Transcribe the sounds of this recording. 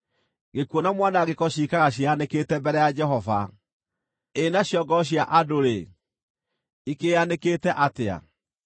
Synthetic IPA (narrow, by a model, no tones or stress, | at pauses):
ɡekwonamwanaɣekɔɕiːkaɣaɕ̬ianeketɛmbɛɾɛjad͡ʒɛɦɔva | enaɕjɔɡɔɕ̬jaʔadoɾe | ikeaneketɛʔatea̰